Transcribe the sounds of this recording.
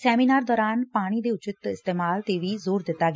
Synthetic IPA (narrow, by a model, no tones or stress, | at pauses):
sɛːmiːnaːɾd̪ɔːɾaːnpaːɽ̃iːd̪eːʊt͡ʃɪt̪ɪst̪eːmaːlt̪eːʋiːzoːɾd̪ɪt̪ːaːɡ